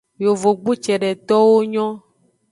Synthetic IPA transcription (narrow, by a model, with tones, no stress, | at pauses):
jo˨vo˨ɡ͡bu˦t͡ʃɛ˨ɖɛ˨t̪ɔ˦wo˦ɲɔ̃˦